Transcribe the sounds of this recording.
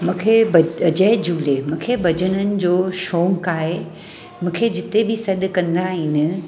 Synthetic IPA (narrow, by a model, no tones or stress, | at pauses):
mũːkʰebɐɐd͡ʑəɪd͡ʑuːlemũːkʰebɐd͡ʑənənɪ̆d͡ʑoːʃoːŋkaːɦe | mũːkʰed͡ʑɪt̪ebɪsɐɗ̪kɐ̃nd̪aɦiːnɪ̆